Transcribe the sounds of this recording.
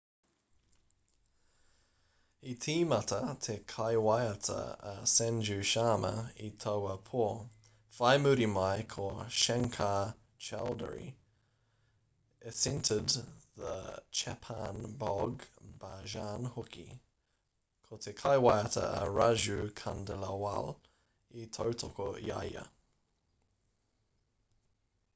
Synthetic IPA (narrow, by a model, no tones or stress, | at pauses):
it̪ʰiːmatət̪ʰekʰaɪwajətʰə̰əsɛnd͡ʒʉʃaːmə̰itʰoʊəpʰuː | faɪmʉɾimaɪkʰoʃɛŋkʰaː | t͡ʃʰa̰ldə̰ɹḭ | əsɪntʰədðə̰t͡ʃʰɛpʰanbɔɡb̥aʒaːnhʊkʰḭ | kʰotʰekʰaɪwajətʰə̰ə̰ɹaʒʉkʰandəlawa̰l | itʰoʊtʰɔkoja̰jə̰